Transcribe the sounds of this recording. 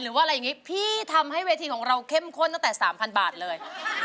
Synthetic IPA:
ɾɯː˨˦waː˥˩˧ɾja˨˩ŋːi˦˥pʰiː˥˩t̪ʰa˧mɦa˥˩jweː˧t̪ʰiː˧kɔː˩˦ŋɾa˧wkʰe˥˩mkʰo˥˩nt̪a˥˩ŋt̪ɛː˨˩saː˩˦mpʰa˧nbaː˨˩t̪̚lɤː˧j

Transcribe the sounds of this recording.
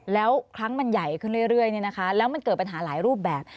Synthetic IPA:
lɛː˦˥wkʰɾa˦˥ŋma˧nja˨˩jkʰɯ˥˩nɾɯ˥˩əjɾɯ˥˩əjniː˥˩na˦˥kʰa˦˥lɛː˦˥wma˧nkɤː˨˩t̪̚pa˧nɦaː˩˦laː˩˦jɾuː˥˩p̚bɛː˨˩p̚

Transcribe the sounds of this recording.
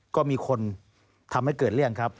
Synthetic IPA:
kɔː˥˩miː˧kʰo˧n | t̪ʰa˧mha˥˩jkɤː˨˩t̪̚ɾɯ˥˩əŋkʰa˦˥p̚

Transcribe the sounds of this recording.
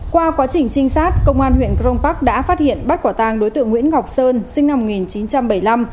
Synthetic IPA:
kwaː˧kwaː˨˦t͡ɕï˨˩ŋ̟t͡ɕï˧ŋ̟saː˦˥t̚kə˧wŋ͡mʔaː˧nhwḭ˧˨ənkɾo˧ŋ͡mpa˦˥k̚ɗa̰ː˧˥faː˦˥t̚hḭ˧˨ənɓa˦˥t̚kwaː˧˩t̪aː˧ŋɗo˨˦jt̪ɨ̰˧˨əŋwḭ˧˥ənɣa˨˩wk͡p̚səː˧nsï˧ŋna˧mːo˨˩t̚ŋi˨˩nt͡ɕi˨˦nt͡ɕa˧mɓə˧˩jla˧m

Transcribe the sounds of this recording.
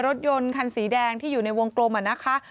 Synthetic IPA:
ɾo˦˥t̪̚jo˧nkʰa˧nsiː˩˦dɛː˧ŋt̪ʰiː˥˩juː˨˩na˧jwo˧ŋkloː˧mʔa˨˩nːa˦˥kʰa˦˥ʔ

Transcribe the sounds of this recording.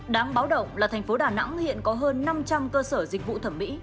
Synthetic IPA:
ɗaː˨˦ŋɓaː˨˦wɗə̰˧˨wŋ͡mlaː˨˩t̪ʰɛ˨˩ŋ̟fo˨˦ɗaː˨˩na̰˧˥ŋhḭ˧˨ənkɔ˨˦ɦəː˧nːa˧mt͡ɕa˧mkəː˧səː˧˩zi˨˩k̟̚vṵ˧˨t̪ʰə˧˩mːḭ˧˥

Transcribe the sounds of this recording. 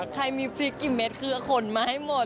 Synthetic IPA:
kʰa˧jmiː˧pʰɾi˦˥kːi˧˩me˦t̪̚kʰɯ˧˥ɐ˧kʰo˧˩nmaː˧ha˥˩jmo˨˩

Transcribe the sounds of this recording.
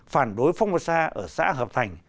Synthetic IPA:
faː˧˩nɗo˨˦jfa˧wŋ͡mmo˨˩saː˧ʔəː˧˩sa̰ː˧˥ɦəː˨˩p̚t̪ʰa˨˩jŋ̟

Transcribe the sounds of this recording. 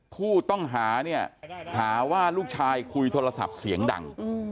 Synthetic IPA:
kʰuː˥˩t̪ɔ˥˩ŋɦaː˩˦ni˥˩ɐhaː˩˦waː˥˩luː˥˩k̚t͡ɕʰaː˧jkʰu˧jt̪ʰoː˧ɾa˧sa̰˨˩p̚si˩˦əŋda̰˨˩ŋ

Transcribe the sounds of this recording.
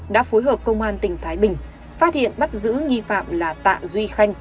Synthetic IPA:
ɗa̰ː˧˥fo˨˦jɦəː˨˩p̚kə˧wŋ͡mʔaː˧nt̪ï˨˩ŋ̟t̪ʰaː˨˦jɓï˨˩ŋ̟ | faː˦˥t̚hḭ˧˨ənɓa˦˥t̚zɨ̰˧˥ŋi˧fa̰ː˧˨mlaː˨˩t̪a̰ː˧˨zwi˧xa˧jŋ̟

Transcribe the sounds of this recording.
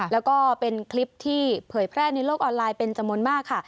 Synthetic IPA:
lɛː˦˥wkɔː˥˩pe˧nkʰli˦˥p̚t̪ʰiː˥˩pʰɤː˩˦jpʰɾɛː˥˩na˧jloː˥˩k̚ʔɔː˧nlaː˧jpe˧nt͡ɕa˧mːu˧nmaː˥˩kʰːa˥˩

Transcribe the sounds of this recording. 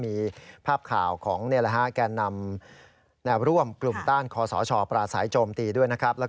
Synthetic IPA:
miː˧pʰaː˥˩p̚kʰa̰ː˨˩wkʰɔ̰ː˩˦ŋniː˧˥˧la˧ɦa˦˥ʔkaː˧nːa˧m | nɛː˧wɾu˥˩əmklu˨˩mt̪aː˥˩nkʰɔː˧sɔ̰ː˩˦t͡ɕʰɔː˧pɾaː˧saː˩˦jt͡ɕoː˧mt̪iː˧du˥˩əjna˦˥kʰɾa˦˥p̚lɛ˦˥

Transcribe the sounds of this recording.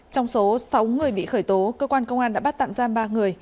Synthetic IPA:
t͡ɕɔ˧wŋ͡mso˨˦sa˨˦wŋɨ˨˩əjɓḭ˧˨xəː˧˩jt̪o˨˦kəː˧kwaː˧nkə˧wŋ͡mʔaː˧nɗa̰ː˧˥ɓa˦˥t̪̚a̰ː˧˨mzaː˧mɓaː˧ŋɨ˨˩əj

